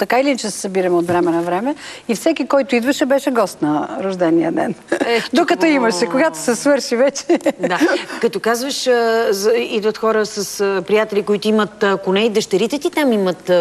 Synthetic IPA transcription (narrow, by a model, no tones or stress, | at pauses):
t̪ɐkailint͡ʃɛsɛ̥sɐbiɾɐmɛot̪vɾɛmɛnɐvɾɛmɛifsɛkikɔjt̪ʊid̪vɐʃɛbɛʃɛɡɔst̪nɐɾoʒd̪ɛnijə̰d̪ɛ̰nɛd̪okɐt̪ɔimɐʃɛkoɡat̪o̥sɛsvɤɾʃivɛt͡ʃɛd̪akɐt̪ɔkazvəʃ | id̪vət̪xɔɾəsɐspɾijat̪ɛlʲikoit̪oimət̪konɛid̪əʃt̪ɛɾit̪ɛt̪it̪amimət̪